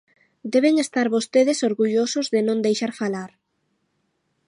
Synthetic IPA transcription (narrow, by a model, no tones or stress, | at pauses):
d̪ɛβeŋest̪aɾβost̪eðesoɾɣuʎosozðɪnõnd̪ejʃaɾfalaɾ